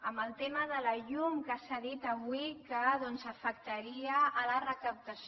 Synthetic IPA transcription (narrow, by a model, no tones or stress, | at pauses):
əmbəlˠt̪eməðələʎumkəsaðit̪əβwikəðɔnzəfək̚t̪əɾiəːlərəkəp̚t̪əs